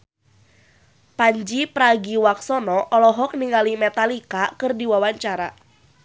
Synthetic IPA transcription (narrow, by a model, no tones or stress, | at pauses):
paɲd͡ʒipɾaɡiwaksɔnɔʔɔlɔɦɔk̚niŋalimɛt̪alikakɨrdiwawaɲt͡ʃaɾa̰